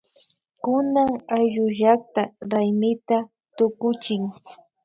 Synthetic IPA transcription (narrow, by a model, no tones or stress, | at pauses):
kʊnaŋajʒʊʒak̚t̪aɾajmɪt̪a | t̪ʊkʊt͡ʃɪŋ